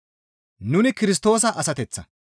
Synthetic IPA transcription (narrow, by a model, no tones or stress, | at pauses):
nʊnɪkɪɾɪs̬t̪o̞ːsɐʔɐsɐt̪ɛt͡sːɐ̰